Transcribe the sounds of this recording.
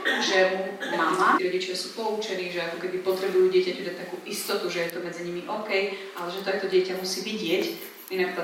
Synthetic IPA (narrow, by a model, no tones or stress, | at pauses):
ʒɛmumamaɾɔɟit͡ʃasuːpɔut͡ʃɛniːʒɛakɔkɛd̪ipɔt̪ɾɛbujuːɟɪɛcacud̪ac̚t̪akuːʔist̪ɔt̪uʒɛjɛt̪ɔmɛd͡ziɲimiʔɔkɛjʔalɛʒɛt̪ɔat̪ɔɟɪɛcamusiːʋiɟɪɛc | inakt̪